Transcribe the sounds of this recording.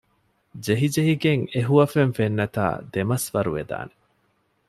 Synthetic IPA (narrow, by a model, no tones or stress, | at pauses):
d͡ʒeɦid͡ʒeɦiɡeŋeɦuɐfeɱfenːɐt̪a̰ːd̪emɐsʋɐɾuʋed̪a̰ːne